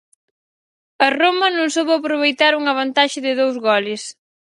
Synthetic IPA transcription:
ɐromɐnõŋsoβɐpɾoβ̞ejt̪aɾuŋɐβ̞ɐnt̪aʃɪðɪðowzɣɔlɪs

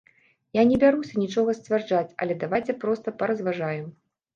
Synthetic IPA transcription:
janʲɛbʲaɾusʲɐnʲit͡ʂɔɣɐsʲt͡sʲvʲard͡ʐat͡sʲɐ̰lʲɛd̪avajt͡sʲɛpɾɔst̪ɐpɐɾɐzvaʐajɛm

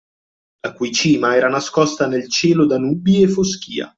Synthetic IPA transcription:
lakujt͡ʃiːmaɛːɾanaskɔst̪anelt͡ʃɛːlod̪anuːbiefːosk̟ḭːa̰

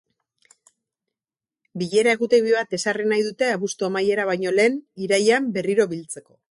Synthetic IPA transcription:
biʎe̞ɾaeɣut̪eβiβat̪e̞sarinajðut̪e̞aβust̪uamaje̞ɾaβ̞ajɲo̞le̞ːniɾajambe̞riɾo̞βilt͡se̞ko̞

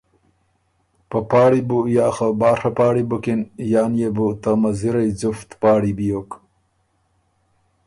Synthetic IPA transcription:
pəpɑːɽibujɑːxabɑːʂapɑːɽibukinjɑːnjebut̪amaziɾajd͡zuft̪pɑːɽibijok

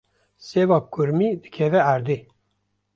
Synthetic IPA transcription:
sevɑp̚kuɾmid̪ɨ̥kʲʰevɛæɾd̪i

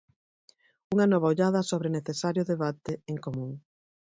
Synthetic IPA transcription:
uŋanɔβ̞aoʎaðɐsoβɾeneθesaɾjʊðeβat̪eeŋkomũŋ

